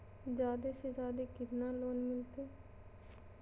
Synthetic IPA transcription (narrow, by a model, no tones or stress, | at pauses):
d͡ʒjaːd̪eːsed͡ʒaːd̪eːkɪt̪naːloːnmɪlt̪eː